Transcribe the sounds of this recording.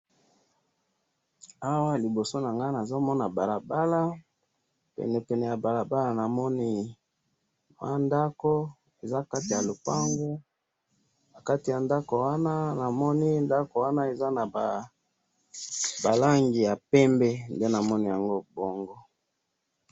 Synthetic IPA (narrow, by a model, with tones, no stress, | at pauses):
a˦wa˦li˨bo˨so˦na˨ŋɡa˦na˨zo˦mɔ˦na˨ba˨la˨ba˦la˦ | pɛ̰˨nɛ˨pɛ˨nɛ˨ja˨ba˨la˨ba˦la˨na˨mɔ˦ni˦ | wa˦nda˦ko˦ | e˨za˦ka˦ti˨ja˨lo˨pa˦ŋɡo˦ | na˨ka˦ti˨ja˨nda˦ko˨wa˦na˦na˨mɔ˦ni˦nda˦ko˨wa˦na˦e˨za˦na˨ba˨ | ba˨la˦ŋɡi˨ja˨pɛ˦mbɛ˦nde˦na˨mɔ˦ni˦ja˨ŋɡo˦bo˨ŋɡɔ˦